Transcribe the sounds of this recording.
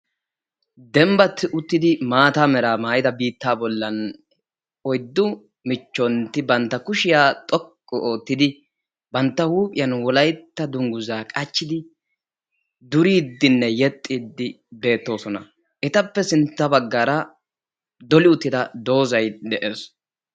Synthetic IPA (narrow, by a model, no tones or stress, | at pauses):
d̪ɛmbɐt̪ʰːɪʔʊt̪ːɪd̪ɪmaːt̪aːmɛɾaːmaːjɪd̪ɐbiːt̪ːaːbɔlːɐn | ɔjd̪ːʊ | mɪt͡ʃːɔnt̪ːɪbɐnt̪ːɐkʊʃɪjaːt̪ʼɔkʼːɔʔoːt̪ːɪd̪ɪ | bɐnt̪ːɐhuːpʼɪjɐnwɔlɐjt̪ːɐd̪ʊŋɡʊzaːkʼɐt͡ʃːɪd̪ɪ | d̪ʊɾiːd̪ːɪnːɛjɛt̪ʼːiːd̪ːɪ | be̞ːt̪ːo̞ːsɔnɐ̰ | ʔɛt̪ɐpːɛsɪnt̪ːɐbɐɡːaɾɐ | d̪ɔlɪʊt̪ːɪd̪ɐd̪o̞ːzɐjd̪ɛʔeːs